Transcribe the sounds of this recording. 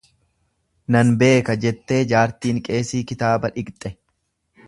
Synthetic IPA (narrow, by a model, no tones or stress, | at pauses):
nɐnbe̞ːkɐd͡ʒɛt̪ːe̞ːd͡ʒaːɾt̪iːŋkʼe̞ːsiːkɪt̪aːbɐᶑɪɡt̪ʼɛ